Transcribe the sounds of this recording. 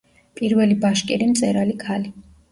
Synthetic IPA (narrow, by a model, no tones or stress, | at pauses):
pʼiɾvɛlibaʃkʼɛɾimt̪sʼɛɾalikʰali